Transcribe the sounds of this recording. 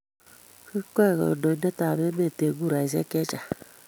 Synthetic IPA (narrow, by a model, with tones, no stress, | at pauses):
ki˦kʷe˦˨ɣɔ̰˨do˨i˨˦de˦ta˨be˦me˦˨te˨ɡu˦ɾa˨i˨zɛ̰˦ke˦t͡ʃa˨